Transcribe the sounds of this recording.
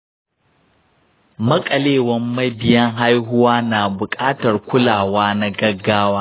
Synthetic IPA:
mɐ˦kʼɐ˨leː˦˨wɐ˦mːɐ˦bɪ˦jɐ˦ŋɦa˦jɦʊ˦waː˦naː˨bʊ˨kʼaː˦tɐ˨rkʷʊ˦laː˨waː˦na˦ɡɐ˦ɡːaː˦waː˦

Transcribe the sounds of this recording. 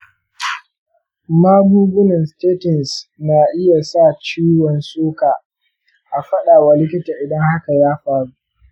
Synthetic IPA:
maː˦buː˦bʊ˦nɐ˨nsteː˦tɔ˨nsnaː˨ʔɪ˦ja˨sa˦˨t͡ʃiː˦wɔ˨nsoː˦kaː˨ | ʔa˨ɸɐ˦ɗaː˨wa˨lɪ˦k̬ʲɪ˦taː˨ʔɪ˨dɐ˦ŋha˦ka˨jaː˦ɸaː˨ɽu˦ʔ

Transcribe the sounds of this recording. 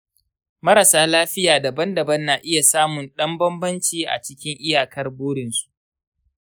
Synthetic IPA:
mɐ˦ɾɐ˨saː˦laː˦ɸɪ˦jaː˨dɐ˨bɐ˦ndɐ˨bɐ˦nːaː˨ʔɪ˦ja˨saː˦mʊ˨nɗɐ˦mbɐ˦mbɐ˦nt͡ʃiː˨ʔa̰˨t͡ʃɪ˦kʲɪ˦ŋʔɪ˦jaː˨kɐ˦rboː˦ɽɪ˨nsu̥˦ʔ

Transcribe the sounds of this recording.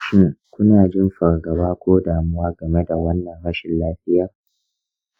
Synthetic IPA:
ʃɪ˦ŋkʷʊ˦naː˨d͡ʒɪ˦mɸɐ˨rɡɐ˨baː˦kʷoː˦daː˨mʊ˦waː˦ɡɐ˨me˦da˨wɐ˦nːɐ˨ŋɽɐ˦ʃɪ˨nlaː˦ɸɪ˦jaː˨

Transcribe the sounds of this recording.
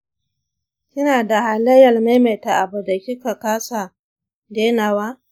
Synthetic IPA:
kʲɪ˦naː˨da˨ha˨lɐ˦jɐ˨lma˦me˨ta˨ʔa˨bu˨da˨kʲɪ˦ka˨kaː˦sa˨ | deː˦naː˨wa˦

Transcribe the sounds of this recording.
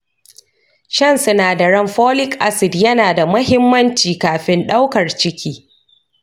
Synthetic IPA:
ʃɐ˦˨nsʊ˦naː˨da˨ɽɐ˦mɸoː˦lɪ˦kʔa˦sɪ˨djɐ˦naː˨da˨mʊ˦hɪ˦mːɐ˦nt͡ʃiː˨kaː˨ɸɪ˦nɗa˦wkɐ˨rt͡ʃɪ˦kʲʰiː˦

